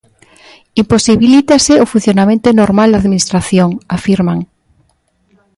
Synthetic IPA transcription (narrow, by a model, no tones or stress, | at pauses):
imposiβilit̪aseofun̟θjonamẽnt̪onoɾmald̪aðminist̪ɾaθjoŋafiɾmaŋ